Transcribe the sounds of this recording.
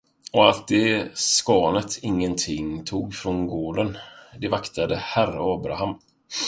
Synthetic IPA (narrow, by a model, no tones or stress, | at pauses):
ɔalt̪̚d̪ɛskɑːnət̪ʰɪŋːənt̪ʰɪŋt̪ʰuːɡfɾɔnɡoːɖənd̪ɛvakt̪ad̪əhæɾaɑːbɾa̰ham